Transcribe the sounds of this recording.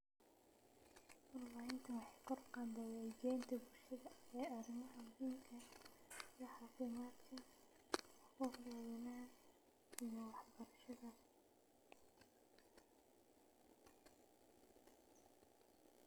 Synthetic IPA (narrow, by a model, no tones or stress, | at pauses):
ɔrlaɪnt̪ʰɐwɑħɑjkʰɔrqɑːnd̪ɐwɛd͡ʒɛːnt̪ʰɐbʊlʃɐðɐɛːɐrɪmɐɦɐmʊɦiːmkʰɐ | jɐħɑːfɪmaːt̪kʰɐ | hɔbjaːwɐnaːn | ijɐwɑħbɐɾɐʃɐðɐ